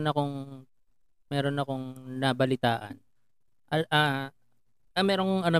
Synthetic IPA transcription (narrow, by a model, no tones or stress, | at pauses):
nɐko̞ŋ | mɛːɾonɐko̞ŋnɐbɐlɪt̪aːʔɐ̰n | ʔɐʔa | ɐmɛːɾonkoŋɐnɐ